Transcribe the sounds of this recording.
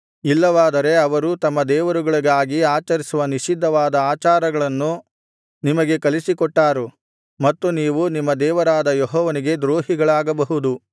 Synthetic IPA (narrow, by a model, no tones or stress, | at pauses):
ilːɐʋaːd̪ɐɾe̞ɐʋɐɾut̪ɐmːɐd̪ɛːʋɐɾuɡɐɭɐɡaːɡiaːt͡ʃɐɾisuʋɐniʃid̪ʱːɐʋaːd̪ɐaːt͡ʃaːɾɐɡɐɭɐnːu | nimɐɡe̞kɐlisikɔʈːaːɾu | mɐt̪ːuniːʋunimːɐd̪ɛːʋɐɾaːd̪ɐjɔɦɔːʋɐniɡe̞d̪ɾoːɦiɡɐɭaːɡɐbɐɦud̪u